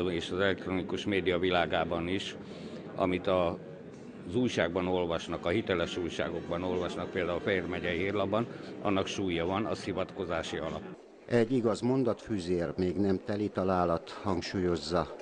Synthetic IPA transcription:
eːʃɒzɛlɛk̚t̪ronikuʃmeːd̪ijɒvilaːɡaːbɒniʃ | ɒ̰mit̪ɒ | zuːjʃaːɡbɒno̞lvɒʃnɒkɒɦit̪ɛlɛʃuːjʃa̰ːɡo̞ɡbɒno̞lvɒʃnɒk̚peːld̪aːulfɛeːrmɛɟɛɦirlɒbːɒnɒ̰nːɒkʃuːjɒvɒnɒsivɒt̪ko̞zaːʃiɒlɒpː | ɛɟːiɡɒzmo̞nd̪ɒt̪fyːzeːrmeːɡnɛmt̪ɛlit̪ɒlaːlɒt̪hɒŋkʃuːjo̞zːɒ

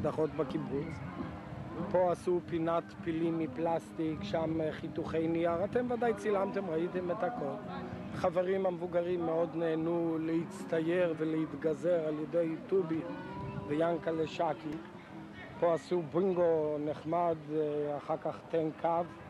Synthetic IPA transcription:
d̪aχo̞t̪bakibut͡s | po̞asupinat̪pilimːiplast̪ikʃamχit̪uχejnijaʁat̪e̞mvadajt͡silamt̪emʁait̪emetakʰo̞l | χaveʁimamevuɡaʁimːeo̞d̪neːnuleit͡st̪ajeʁveleit̪ɡaze̞ʁaljedejt̪ubivejaŋkaleʃaki | po̞asubiŋɡo̞neχmad̪aχaʁkaχt̪enkʰav

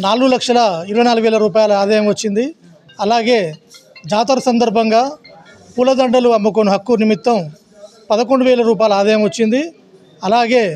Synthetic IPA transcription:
naːluɡulɐkʂɐlɐiɾuʋɐjnaːluɡuʋɛːlɐɾuːpaːjlɐaːd̪ɐjɐmʋɐt͡ʃːind̪i | ɐlaːɡe̞ːd͡ʒaːt̪̬ɐɾɐsɐnd̪ɐɾbʱɐŋɡaː | puːlɐd̪ɐɳɖɐluɐmːuk̬onuɦɐkːunimit̪ːɐm | pɐðɐkoɳɖuʋɛːlɐɾuːp̬aːjlɐaːd̪ɐjɐmʋɐt͡ʃːind̪i | ɐlaːɡeː

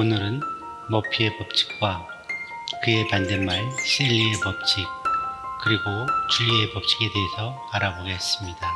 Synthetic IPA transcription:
onɯɾɯn | mʌpʰie̞pʌp̚t͡ɕ͈i̥k̚k͈wa | kɯe̞pandenmaɭs͈ʰeʎːie̞pʌp̚t͡ɕ͈ʰik̚kɯɾiɡot͡ɕuʎːie̞pʌp̚t͡ɕ͈i̥ɡe̞de̞ɦesʰʌ | aɾaboɡeɦes͈ɯmɲida

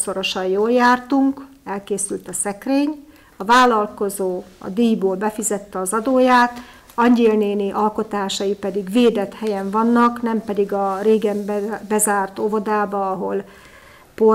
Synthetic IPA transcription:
so̞ɾo̞ʃɒjjoːljaːrt̪uŋkɛlkeːsylt̪ɒsɛkreːɲ | ɒvaːlːɒlko̞zoːɒ̰d̪iːjboːlbɛfizɛt̪ːɛɒzɒd̪oːjaːt̪ | ɒɲɟeːlneːniʔɒlko̞t̪aːʃɒjipɛd̪iɡveːd̪ɛt̪hɛjɛɱvɒnːɒknɛmpɛd̪iɡɒreːɡɛmbɛzaːrt̪o̞vo̞d̪aːbɒɒɦo̞l | po

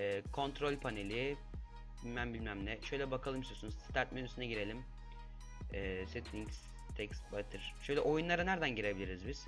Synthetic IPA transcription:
ɛːkʰo̞nt̪ɾo̞lʲpʰane̞lʲi | bilʲmænbilʲmæmlʲɛʃø̞jlʲɛbakʰalˠɯmsiosunuz̥st̪ʰaɾt̪̚menyst̪ynɛɟiɾe̞lʲim | ɛːset̪ʰlʲiŋks | t̪ʰɛkst̪bat̪ʰɯɾ̥ʃøjlʲɛʔo̞junlˠaɾanæɾd̪ænɟiɾe̞bilʲiɾizbiz̥

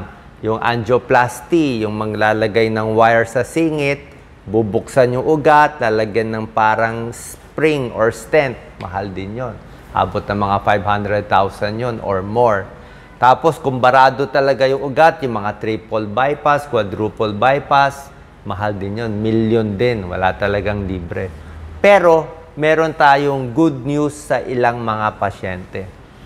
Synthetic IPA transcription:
jʊŋʔa̰nd͡ʒ̪oplast̪ijʊŋmɐɡlaːlɐɡajnɐŋwajɛɹsɐsiːŋɪt̪̚ | bubʊksɐnjʊŋʔʊɡat̪̚laːlɐɡjanːɐŋpaːɾɐŋs | pɾiŋʔoɹst̪ɛnt̪̚mɐ̰ɦald̪ɪnjon | ha̰ːbot̪̚nɐŋmɐŋafajbhand̪ɾɛd̪̚t̪awsɐnjonʔo̰ɹmoɹ | t̪aːpo̞skʊŋbɐɾaːd̪ot̪ɐlɐɡajʊŋʔʊɡat̪jʊŋmɐŋat̪ɾipolbajpɐskwad̪ɾupolbajpas | mɐɦald̪ɪnjonmiljond̪ɪnwɐ̰lat̪ɐlɐɡaŋliːbɾɛpɛːɾo̞ | mɛːɾo̞nt̪aːjoŋɡud̪̚njusːɐʔɪlaŋmɐŋapɐʃɛnt̪ɛ

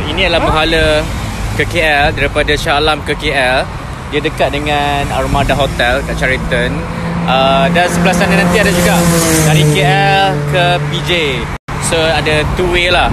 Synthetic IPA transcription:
inĩadəlahməɦaləkəkeɛldaɾipadaʃalamkəkeɛl | diədəkat̪̚dəŋanarmadaɦot̪ɛlkaʔt͡ʃaɾit̪ən | ədansəbəlahsanãnant̪iadad͡ʒuɡaʔkaɾikeɛlkəpid͡ʒe | soadat̪uwela

